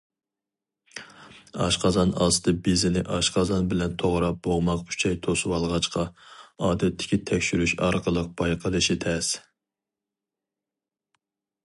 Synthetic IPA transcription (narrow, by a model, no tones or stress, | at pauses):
ɑ̰ʃqɑzɑnɑ̰ːsɨd̪ɨbɪzɪnɪʔɑʃqʰɑzɑnbɪlɛnt̪ʰoʁɾɑp̚b̥oʁmɑq̚pʰy̥t͡ʃʰɛjt̪ʰoswɑlˠʁɑt͡ʃqɑɑːd̪ɛt̪ʰːɪ̥kʲit̪ʰɛkʲʃyɾyʃɑɾqəlˠəq̚b̥ɑjqʰəlˠɨʃit̪ʰɛs